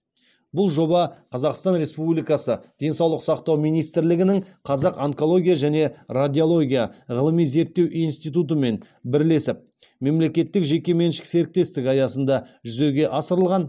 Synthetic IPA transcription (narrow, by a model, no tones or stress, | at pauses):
bʊlˠʒo̞bɑqʰɑzɑqst̪ɑnɾe̞spublijkɑsəd̪̥e̞nsɑwlˠəqsɑqt̪ɑwmijnijst̪ɪɾlɪɡʲɪnɪɴqʰɑzɑqɑŋko̞lˠo̞ɡʲijaʒæne̞rad̪ʲio̞lˠo̞ɡʲijaʁəlˠəmijze̞ɾt̪ːe̞wʔinst̪ijt̪ut̪̬əme̞n | bɪɾle̞sɪp̚ | me̞mle̞kʲe̞t̪ːɪkʒe̞kʲe̞me̞nʃɪ̥kse̞ɾɪk̚t̪e̞st̪ɪkɑjɑsənd̪ɑʒʏze̞wɡʲe̞ʔɑsəɾəlˠʁɑn